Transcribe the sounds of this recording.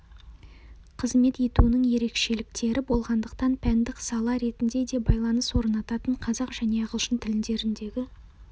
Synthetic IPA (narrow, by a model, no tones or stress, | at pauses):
qʰəzme̞t̪e̞t̪unɪŋje̞ɾe̞kʃe̞lɪk̚t̪e̞ɾʔɪbo̞lˠʁɑnd̪əqt̪ɑnpʰænd̪ɪksɑlˠɑɾe̞t̪ɪnd̪e̞d̪e̞bɑjlˠɑnəswo̞ɾənɑt̪ɑt̪əɴqʰɑzɑqʒ̥æne̞ɑʁəlˠʃənt̪ʰɪlɪnd̪e̞ɾɪnd̪e̞ɡʲɪ